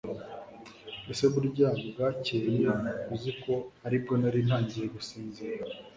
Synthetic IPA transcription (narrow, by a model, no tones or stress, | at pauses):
eseβuɾɟaːɡobɡaːceːjekuziko̞aɾib̚ɡo̞naɾin̥haːɲɟijeɡusiːnzeɾa